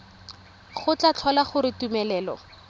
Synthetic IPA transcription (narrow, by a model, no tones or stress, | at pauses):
χʊt͡ɬat͡ɬʰɔlaχʊɾɪtumɛlɛːlɔ̰